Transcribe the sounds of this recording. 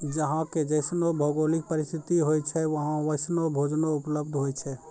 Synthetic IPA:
d͡ʒəɦãked͡ʒəɪsnobʱoɡolik̚pəɾɪst̪ʰit̪iɦojt͡ʃʰɛʋəɦãʋəɪsnobʱod͡ʒnoʊpləb̚d̪ʱɦojt͡ʃʰɛ

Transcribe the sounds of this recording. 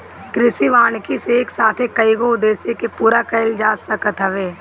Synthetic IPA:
kɾɪsiʋaːɳkiseeːksaːt̪ʰekɐiɡoʊd̪eːsekepuːɾakəɪld͡ʒaːsəkət̪ɦəʋeː

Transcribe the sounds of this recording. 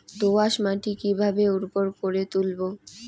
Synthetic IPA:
t̪oaʃmaʈikibʱabeuɾpoɾkoɾet̪ulbo

